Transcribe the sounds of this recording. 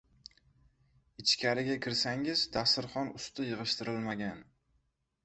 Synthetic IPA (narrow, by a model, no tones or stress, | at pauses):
ɪt͡ʃkʲʰaɾɪɡʲakʲɪɾsaŋɪzd̪asɪɾχɒnʊst̪ʰɪjɨʁɨʃt̪ɪɾɪlmaɡʲan